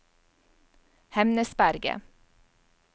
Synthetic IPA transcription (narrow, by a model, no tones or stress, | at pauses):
hɛmnəsbæɾɡə̰